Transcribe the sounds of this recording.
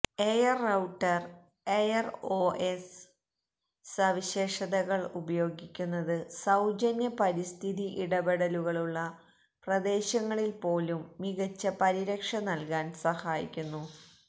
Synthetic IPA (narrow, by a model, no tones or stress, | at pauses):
ejɐrɐwʈːɐr | ejɐro̞ːʔes | sɐʋiɕe̞ːʂɐðɐɣɐɭubɐjo̞ːɡikʲːunːɐðɨsɐwd͡ʑɐnjɐpɐɾist̪ʰiðiʔiɽɐbɐɽɐluɣɐɭuɭːɐ | prɐd̪e̞ːɕɐŋːɐɭilpo̞ːlumːiɣɐt͡ɕːɐpɐɾiɾɐkʂɐnɐlkaːnsɐhaːjḭkʲːunːu